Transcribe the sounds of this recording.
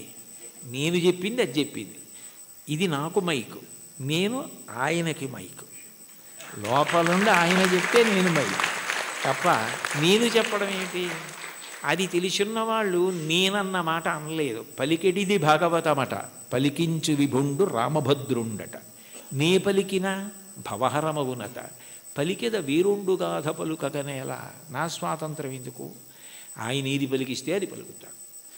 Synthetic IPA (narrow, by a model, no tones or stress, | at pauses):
ne̞ːnut͡ʃe̞pːind̪iɐt͡ʃe̞pːḭnd̪i | id̪inaːkumɐjku̥ | ne̞ːnua̰ːjɐnɐkimɐ̰jku̥ | lɔːpɐluɳɖeaːjɐnɐt͡ʃepit̪e̞ːneːnumɐjku̥t̪ɐpːɐ̰ne̞ːnut͡ʃɛpːɐɽɐme̞ːnʈi | ɐd̪it̪e̞lisunːɐʋaːɭːune̞ːnɐnːɐmaːʈɐːnle̞ːd̪upɐlikeʈid̪ibʱaːɡɐʋɐt̪ɐmɐʈɐ̰ | pɐlikiɲt͡ʃuʋibʱoɳɖuɾa̰ːmɐbʱɐd̪ɾuɳɖɐ̰ʈɐ | neːpɐlikinɐ | bʱɐʋɐɦɐɾɐmɐʋunɐ̰t̪ɐ̰ | pɐlikɐd̪ɐʋeːɾuɳɖuɡaːd̪ʱɐpɐlukɐkɐnɛːla̰ːnaːsʋaːt̪ɐnt̪ɾɐmend̪ukṵ | a̰ːjɐnɐːd̪ipɐlikist̪eːɐd̪ipɐ̰likut̪aːnu